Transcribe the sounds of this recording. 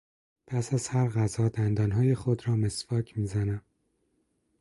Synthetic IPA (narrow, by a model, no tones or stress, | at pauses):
pʰæsæz̥hæɾɣæzɒːd̪ænd̪ɒːnɦɒːjexod̪ɾɒːmesbɒːcʰmiːzænæm